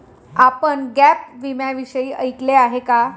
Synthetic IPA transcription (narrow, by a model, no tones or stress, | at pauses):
apəɳɡæp̚ʋimjaʋiɕəiːʔəjkleaɦeka